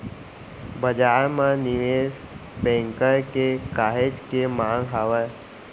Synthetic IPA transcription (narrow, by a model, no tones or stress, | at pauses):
bəd͡ʒaːɾmãnɪʋeːs | bɛ̃ːŋkəɾkekaːɦed͡ʒkemãːŋɡɦaːʋə